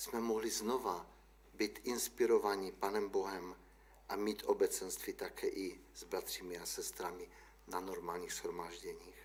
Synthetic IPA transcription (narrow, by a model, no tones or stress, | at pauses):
smɛmɔɦliznova | bit̪ʔinspiɾovaɲipaːnɛmboɦɛm | ʔamiːt̪ʔobɛt͡sɛnst̪viːt̪akʰɛːʔiz̥bɾat̪r̝iːmiasɛst̪ɾami | nanoɾmaːlɲiːxzhɾomaːʒɟɛɲiːx